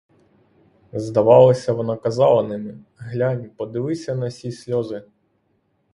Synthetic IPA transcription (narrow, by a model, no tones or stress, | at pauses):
zd̪ɐʋɑlˠɐsʲɐʋɔnɑkɐzɑlˠɐnɪmɪ | ɦlʲanʲpɔd̪ɪʋɪsʲɐnɐsʲisʲlʲɔzɪ